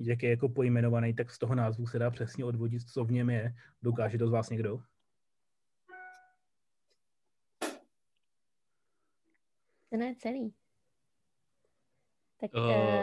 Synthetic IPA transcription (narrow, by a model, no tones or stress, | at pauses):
jak̬jɛjako̞po̞jmɛno̞vanɛjt̪akst̪o̞ɦonaːzvusɛdaːpr̝̥ɛsɲɛo̞dvo̞ɟɪt̪t͡sovɲɛmjɛdo̞kaːʒɛt̪ozvaːsɲɛɡdo | t̪ɛnɛt͡sɛliː | t̪akː